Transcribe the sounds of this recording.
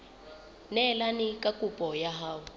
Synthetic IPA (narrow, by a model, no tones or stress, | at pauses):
nɛlanikʼakʼupʼɔjaɦaːwɔ